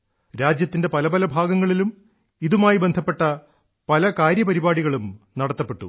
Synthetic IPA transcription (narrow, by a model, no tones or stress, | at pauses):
ɾaːd͡ʑjɐt̪ːinde̞pɐlɐbɐlɐbʱaːɡɐŋːɐɭilum | iðumaːjibend̪ʱɐpːe̞ʈːɐ | pɐlɐkaːɾjɐpɐɾibaːɽiɣɐɭumnɐɽɐt̪ːɐpːeʈːṵ